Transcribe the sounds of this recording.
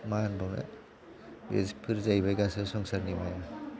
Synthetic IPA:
manbɔŋa̰ | bḛspʰɯɾzajbajɡasɯsɔŋsaɾnimaja

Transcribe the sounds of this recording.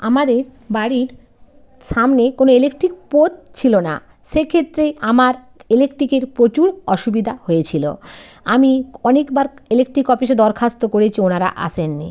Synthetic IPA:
amad̪eɾbaɽiɾ | ʃamnekonoelekʈɾik̚pot̪̚t͡ɕʰilona̰ | ʃekʰet̪ːɾeamaɾ | elekʈɾikeɾpɾot͡ɕuɾɔʃubid̪ʱahoet͡ɕʰilo̰ | amiɔnekbaɾelekʈɾikɔpiʃ̬ed̪ɔɾkʰast̪okoɾet͡ɕʰionaɾa̰ʔa̰ʃʰenːḭ

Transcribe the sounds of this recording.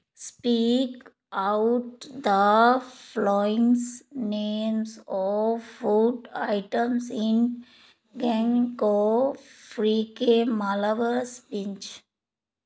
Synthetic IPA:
spiːk | aʊʈd̪əflɔɪ̃ŋsneːmsɔːfuʈa̰ɪʈəmsɪ̃n | ɡɛ̃ŋkɔfɾiːkemalaʋəɾspɪ̃nt͡ʃ

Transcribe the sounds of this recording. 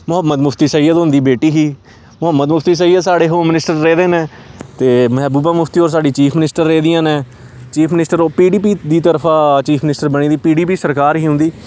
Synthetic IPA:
mʊɦəmːəd̪mʊpʰt̪iːsəiːəd̪ʊnd̪iːbeːʈiːɦiː | mʊɦəmːəd̪mʊpʰt̪iːs̬əiːət̪saːɽeːɦoːmɪnɪsʈəɾːeːd̪eːnẽː | t̪eːmɛːbuːbãːmʊpʰt̪iːoːɾs̬aːɖiːt͡ʃiːpʰmɪnɪsʈəɾːeːd̪iːãːnẽː | t͡ʃiːpʰmɪnɪsʈəɾoːpiːɖiːpiːd̪iːt̪əɾpʰãːt͡ʃiːpʰmnɪsʈəɾbəɳ̃iːd̪iːpiːɖiːp̬iːsəɾkaːɾɦiːɦʊ̃nd̪iː

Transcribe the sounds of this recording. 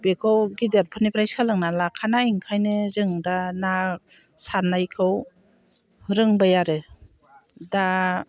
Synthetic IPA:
bekʰɯwɡideɾpʰɯnipɾajskʰalɯŋnalakʰːanaiŋkʰajnɯzɯŋdana | sanajkʰɯw | ɾɯŋbajaɾɯ | da

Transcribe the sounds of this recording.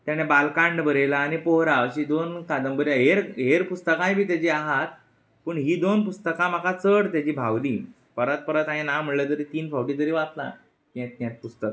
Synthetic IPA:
t̪janebalkaɳɖbəɾelaːnipoɦɾaɕid̪onkad̪əmbəɾjaɦeɾɦeɾpust̪əkãj̃bʱiːt̪jat͡ɕiaɦat̪̚ | pəɳɦiːd̪onpust̪əkãm̤akʰat͡səɽt̪jad͡ʑiːbʱawliː | pəɾət̪̚pəɾət̪ãĩnam̤əɽlət̪əɾit̪iːnfʰawʈit̪əɾiːʋat̪la̰ | kiet̪njãt̪̚pust̪ək

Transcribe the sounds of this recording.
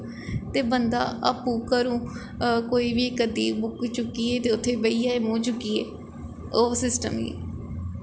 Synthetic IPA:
t̪eːbənd̪a̰ːapũːkəɾũː | koːiːʋikəd̪iːbʊkt͡ʃʊkːiːeːt̪eːʊt̪ʰːeːbəiːaːeːmõːt͡ʃʊkːiːḛː | oːsɪsʈəmḭ

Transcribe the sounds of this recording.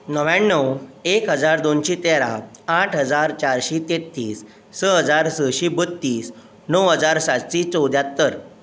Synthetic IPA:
nəʋjanːəwekɦəd͡zaɾd̪onɕit̪eɾaaʈʰɦəd͡zaɾt͡ɕaɾɕit̪et̪ːiːsː | əɦəd͡zaɾsəɕibət̪ːiːs | nəwɦəd͡zaɾsat̪ɕit͡səwd̪jat̪ːəɾ

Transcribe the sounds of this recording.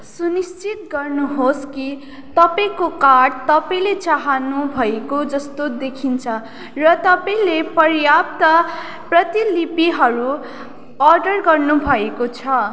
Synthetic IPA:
sunist͡sit̪ɡʌrnuɦoski | t̪ʌpaĩkokaɽt̪ʌpaĩlet͡saɦanubʱʌekod͡zʌst̪od̪ekʰint͡sʰʌ | rʌt̪ʌpaĩlepʌrjap̚t̪ʌ | prʌt̪ilipiɦʌɾu | ʌrɖʌrɡʌrnubʱʌekot͡sʰʌ

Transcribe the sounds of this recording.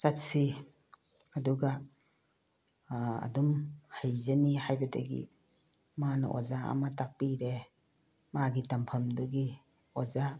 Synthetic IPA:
satsi | ɐduɡa | dumhajzanihajbɐda̰ɡḭ | manɔ̰ʔo̰zaa̰matak̚piɾe | maɡitampʰɐmduɡi | oza

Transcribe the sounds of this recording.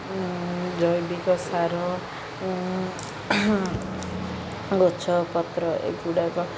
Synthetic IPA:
d͡zʌjbikosaɾo | ɡot͡sʰʌpʌt̪ɾʌʔḛkɡuɽako

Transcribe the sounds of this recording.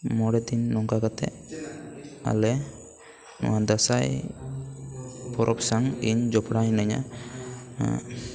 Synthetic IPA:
mɔɽɛd̪inːɔŋkakat̪ɛ̰ | a̰lɛ | nɔ̰wad̪asaj | pʰɔɾʔɔpsaŋiɲd͡ʒɔpʰɽaɲnaɲa̰

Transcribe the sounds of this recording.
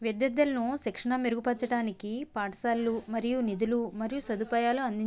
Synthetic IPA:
ʋjɛd̪jɐd̪ːɐlɐnusikʂɐɳɐmeɾuɡupɐt͡ʃːɐʈaːnikipaːʈɐsaːlːumɐɾijunid̪ulumɐɾijusɐd̪upaːjaːluɐnd̪iɲ

